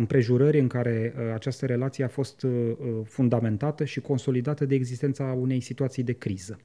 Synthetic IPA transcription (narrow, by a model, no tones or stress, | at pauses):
ɨmpɾe̞ʒuɾəɾʲɨŋkaɾe̞at͡ʃast̪əɾe̞lat̪sijeafo̞st̪fund̪ame̞nt̪at̪əʃiko̞nso̞lid̪at̪əd̪e̞ːɡzist̪ent̪saune̞jsit̪uat̪sijd̪e̞kɾizə